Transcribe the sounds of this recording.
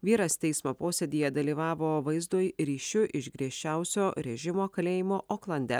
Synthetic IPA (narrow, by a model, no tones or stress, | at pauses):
ʋʲiːɾɐst̪ʲɛɪsmoːpoːsʲed̪ʲijɛd̪ɐlʲiːʋɑːʋoːʋɐɪzd̪oːjɾʲiːʃʲʊʔɪʃɡɾʲiɛʃʲt͡ʃʲæˑʊsʲoːɾʲɛʒʲɪmoːkɐlʲeːjɪmoːʔoːklˠɐnʲd̪ʲɛ